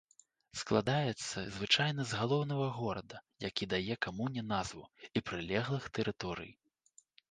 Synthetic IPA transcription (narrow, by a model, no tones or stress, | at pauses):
sklˠad̪ajɛt̪sːɐzvɨt͡ʂajnɐzɣalˠɔwn̪ɐɣɐɣɔɾɐd̪ɐjakʲid̪ajɛkamunʲɛnazvuipɾɨlʲɛɣlˠɨxt̪ɛɾɨt̪ɔɾɨ̰j